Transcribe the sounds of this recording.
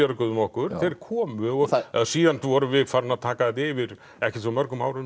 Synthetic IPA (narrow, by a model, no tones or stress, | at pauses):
œɾkʏðʏmɔhkʏɾ̥θeɾɾkʰɔːmʏɔɣɛðsiːðant̪vɔɾʏvɪðfaːɾʏnaðt̪ʰaːkaðɛt̪ɪvɪɾ | ɛhcɛt̪vɔmœɾkʏmawɾʏm